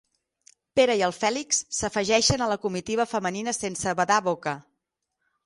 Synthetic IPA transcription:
peɾəiəlˠfɛliksːəfəʒɛʃənələkumit̪iβ̞əfəməninəsensəβəðaβokə

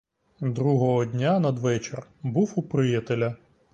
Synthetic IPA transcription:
d̪ɾuɦɔɦɔd̪ʲnʲanɐd̪ʋɛt͡ʃerbuwupɾɪjɐt̪elʲɐ

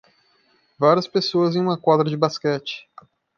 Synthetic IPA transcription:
vaɾiɐspesoɐzẽj̃ũmɐkwad̪ɾɐd͡ʒɪbaskɛt͡ʃɪ̥

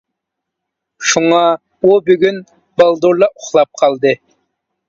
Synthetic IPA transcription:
ʃuŋɑ | ubyɡʲyn | bɑlˠd̪oɾlˠɑʔʊχlˠɑp̚qʰɑlˠd̪ɨ

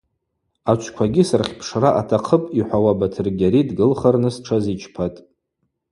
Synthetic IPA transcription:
at͡ʃʷʰkʷʰaɡʲɪsarχʲpʰʂraʔa̰tʰaqʰəpʼiħʷawabatʰɨrɡʲaɾidɡɨlχarnɨsʈ͡ʂʰazit͡ʃʰpʰatʼ

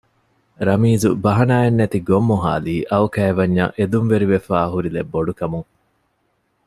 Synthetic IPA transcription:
ɾɐmiːzubɐɦɐnaːenːet̪iɡomːuɦa̰ːliːʔɐʋukæːeʋɐɲːɐ̰ʔed̪unʋeɾiʋefaːɦuɾilebːoɖukɐmuŋ

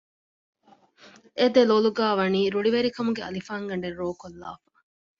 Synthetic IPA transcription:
ed̪eloːluɡaːʋɐniːɾuɽiʋeɾikɐmuɡeɐ̰lifaːŋɡɐɳɖerːoːkolːa̰ːfa

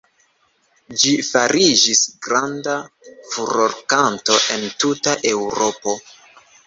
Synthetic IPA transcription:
d͡ʒifaɾid͡ʒisɡɾandafuɾoɾkanto̞ʔe̞ntutaʔe̞wɾo̞po̞

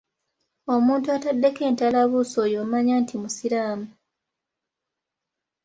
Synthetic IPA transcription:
o̞muːntuatadːe̞ke̞ːntalaβuːsojoːmaɲaːntʰimusiɾaːmu

